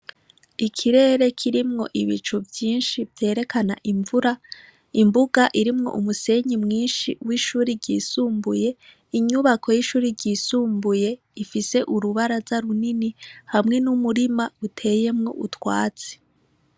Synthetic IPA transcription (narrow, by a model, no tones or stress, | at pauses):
ikʰiɾe̞ːɾe̞kʰiɾimŋo̞ʔiβit͡ʃuvjiːnʃivje̞ːɾe̞kʰana̰ʔiɱvuɾa | imbuɡaʔiɾimŋo̞̰ʔumuse̞ɲimŋiːnʃiwiʃuːɾiɾɟiːsuːmbuje̞ | iɲuβakʰo̞jiʃuːɾiɾɟiːsuːmbuje̞ | ifise̞ʔuɾuβaɾazaɾuninihamŋe̞numuɾimautʰe̞je̞mŋo̞ʔutwa̰ːt͡se̥